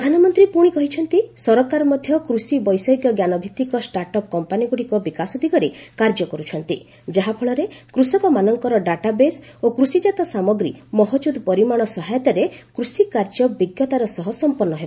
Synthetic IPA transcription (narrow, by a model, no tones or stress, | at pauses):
pɾd̪ʱanɔmɔnt̪ɾipuɽ̃ikɔɦit͡ʃʰɔn̪t̪isɔɾɔkaɾɔmɔd̪ʱjɔkɾusibɔjsɔjɡjɔɡjanɔbʱit̪ːikɔsʈaɾʈɔp̚kɔmpaniɡuɽikɔbikasɔd̪ʱiɡɔɾekaɾd͡ʒɔkɔɾut͡ʃʰɔnt̪i | d͡ʒaɦapʰɔɭɔɾekɾusɔkɔmanɔŋkɔɾɔɖaʈabesokɾusid͡ʒat̪ɔsamɔɡɾimɔɦɔd͡ʒud̪pɔɾimaɽ̃ɔsɔɦajɔt̪aɾekɾusikaɾd͡ʒɔbiɡjɔt̪aɾɔsɔɦɔsɔmpɔɾnːɔɦebɔ